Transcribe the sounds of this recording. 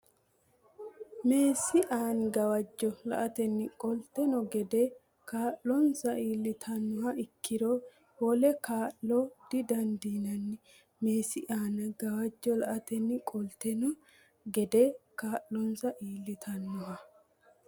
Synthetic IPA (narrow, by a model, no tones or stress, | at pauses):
me̞ːsɪʔaːnɡɐwɐd͡ʒːɔlɐ̰ʔɐt̪ɛnːɪkʼɔlt̪ɛnɔɡɛd̪ɛ | kaːʔɔnsɐʔiːlːɪt̪ʰɐnːʊhɐɪkːɪɾoː | wɔlɛkaːʔlɔd̪̥ɪd̪ɐnd̪iːnɐnːɪ | meːsɪʔaːnɡɐwɐd͡ʒːɔlɐʔɐt̪ɛnːɪkʼɔlt̪ɛnɔ | ɡɛd̪ɛkaːllɔnsɐʔiːlːɪt̪ʰɐnːʊɦɐ